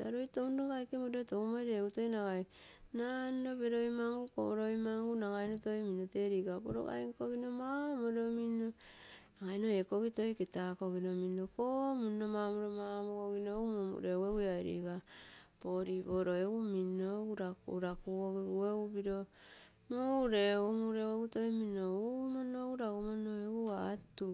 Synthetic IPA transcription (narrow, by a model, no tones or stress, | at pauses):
taɾojtowndoɡajkemodotoumaɾeutojnaɡajnandobeɾojmaŋɡuko̰ɾojmaŋɡunaɡajnotojminote̞ɾikabo̰ɾo̰ɡa̰jŋkoɡinomamoɾomino | naŋajnoekoɡitojketakoɡinominokomunomamoɾomamokoɡinoumomṵɾeweɡuajɾḭːkapoɾiboɾoeɡuminouɾakɾakuoɡiɡueɡubiɾo | muɾeumuɾeweɡutoiminoumonouɾaɡumonoeɡuatu